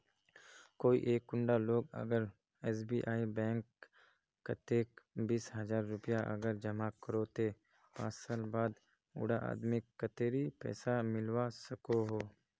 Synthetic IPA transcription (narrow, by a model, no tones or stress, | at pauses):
koːḭʔeːkːʊɳɖaloːɡə̰ɡəɾ | ɛːs̬biːʔaːibɛ̃ːŋkː | ət̪eːkbiːsɦɐzaːɾːʊpɪjaʔɐ̰ɡəɾd͡ʒəmakəɾoːt̪e | pã̰ːt͡ʃsaːlbaːd̪ | ʊ̰ːɽaʔa̰ːd̪mikkːət̪eːɾipɛ̰ːsamɪlwasəkoɦoː